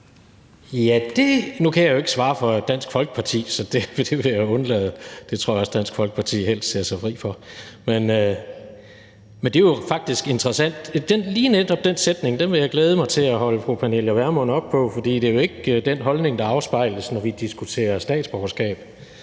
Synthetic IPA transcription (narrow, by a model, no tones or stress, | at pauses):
jæd̥e̝nukʰæjäjo̝e̝ɡ̥əsʋɑ̈ːfɒ̽d̥æn̰sɡ̥fɒ̽lɡ̥ə̥pʰɑ̈t͡sʰḭːsɒ̽d̥e̝ʋed̥e̝ʋejæɔ̽nlɛ̰ð̞ˠd̥e̝t͡sʰo̝ɐ̰jɑɒ̽sd̥æn̰sɡ̥fɒ̽lɡ̥ə̥pʰɑ̈t͡sʰḭːhel̰sd̥se̝ɐsɑ̈ɪfʁḭːfɒ̽menø | mend̥e̝jofɑ̈ɡ̥̚d̥isɡ̥e̝nd̥ʁɐsæn̰d̥d̥enliːned̥ɒ̽b̥̚d̥ensed̥ne̝ŋd̥enʋe̝jäɪɡ̥leːð̞ˠəmɑ̈ɪt͡sʰe̝læɦɒ̽ləfʁupʰæneljæʋæɐmonɒ̽b̥̚pʰɒ̽fɒ̽d̥ḭːd̥e̝jo̝e̝ɡ̥əd̥enɦɒ̽lne̝ŋd̥ɑ̈ɑ̈ʊsb̥ɑ̈ɪ̰ləsnɒʋid̥isɡ̥ut͡sʰe̝̰ːɐsd̥ɛ̰ːd̥sb̥ɒʊɐsɡ̥ɛ̰ːb̥̚